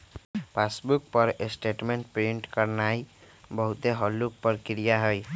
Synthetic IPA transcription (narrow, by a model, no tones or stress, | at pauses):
pʰasbuk̚pʌɾesʈeʈmeɳʈpɾiɳʈkʌɾnaj | bʌɦut̪eɦɔlːuk̚pəɾkiɾijaɦoj